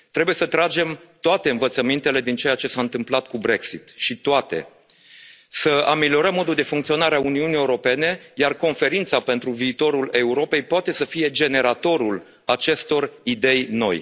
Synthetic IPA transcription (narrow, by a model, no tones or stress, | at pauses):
t̪ɾe̞buje̞sət̪ɾad͡ʒe̞mt̪oat̪e̞ɨnvət̪səmint̪e̞le̞d̪int͡ʃe̞ejat͡ʃe̞saɨnt̪ɨmplat̪̚kubɾe̞ksit̪ʃit̪oat̪e̞̰ | səamelio̞ɾəmːo̞d̪uld̪e̞fuŋkt̪sionaɾeauniunijeuɾo̞pe̞ne̞jarko̞nfe̞ɾint̪sape̞nt̪ɾuviːt̪o̞ɾule̞uɾo̞pe̞jpoat̪e̞səfije̞d͡ʒe̞ne̞ɾat̪o̞ɾul | at͡ʃe̞st̪o̞rid̪e̞jno̞̰j